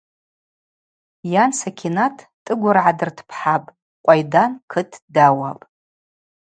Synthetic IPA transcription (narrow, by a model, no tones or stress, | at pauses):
jansakʲʰinatʰ | tʼːɨɡʷʊrʕadɨrtʰpʰħapʼ | qʷʼajdankʰɨtʰdawapʼ